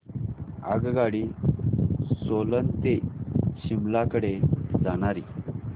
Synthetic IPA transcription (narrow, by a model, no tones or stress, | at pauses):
ə̰ɡɡaɽi | solənt̪eɕimlakəɽed͡zaɽ̃aɾi